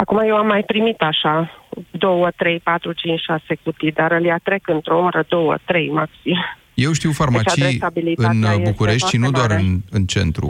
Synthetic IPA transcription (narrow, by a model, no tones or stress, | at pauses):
akumajewamːajpɾimit̪aʃad̪o̞wət̪ɾe̞jpat̪ɾut͡ʃint͡ʃʃasekut̪id̪aɾəljat̪ɾe̞kɨnt̪ɾoumɾəd̪o̞wə̰t̪ɾe̞jmaksim | je̞wʃt̪iwfarmeat͡ʃat͡ʃijjabiliɨnbukuɾe̞ʃt̪ʃinud̪oaɾɨnɨnt͡ʃe̞̰nt̪ɾṵ